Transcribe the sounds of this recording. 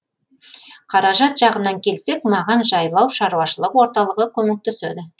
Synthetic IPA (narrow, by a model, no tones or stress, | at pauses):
qʰɑɾɑʒɑt̪ʒ̥ɑʁənɑŋkʲʰe̞lse̞kmɑʁɑnʒɑjlˠɑwʃɑɾuwɑʃəlˠəqwo̞ɾt̪ɑlˠəʁəkʲʰɵmɪk̚t̪ɵsed̪ɪ